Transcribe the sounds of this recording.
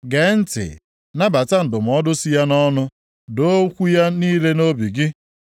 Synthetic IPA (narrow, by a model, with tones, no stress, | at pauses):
ɡe˨˦n̩˦tɪ̰˨ | na˦ba˨ta˦n̩˨dʊ˨m̩˨ɔ˦dʊ˦si˦ja˦nɔ˦nʊ˦ | do˦kʷu˦ja˦niː˦le˦no˦bi˨ɡɪ˦